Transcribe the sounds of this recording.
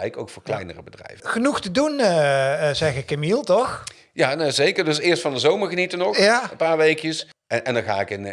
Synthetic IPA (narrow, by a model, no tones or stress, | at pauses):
ɛɪkowkfʊːɹklɛjnərəbədrɛ̰jvəχənuχtədun | zɛχɪkːəmilˠtɔχ | jaːnzejkəɹdɵsɪːɹstfɑndəzowməɹχənitənɔxjaənpaːɹʋejkjəs | ɛndɑnχa̰ːɪkɪn